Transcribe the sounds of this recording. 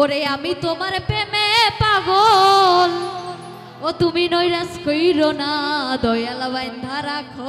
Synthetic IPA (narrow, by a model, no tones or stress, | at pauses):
oɾeamit̪omaɾepemepaɡol | ot̪uminojɾaskojɾonad̪ɔjalabajnd̪ʱaɾakʰɔ